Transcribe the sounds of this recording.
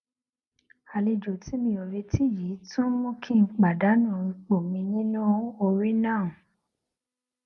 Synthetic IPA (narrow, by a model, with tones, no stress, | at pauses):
a˨li˧d͡ʒo˨ti˨˦mĩ˧o˨ɾe˧ti˦˨ji˨˦tũ˦mũ˦kʰĩ˦˨k͡pa˨da˨˦nũ˦˨i˧k͡po˨mĩ˧nĩ˦nũ˦o˧ɾi˦nãː˦˨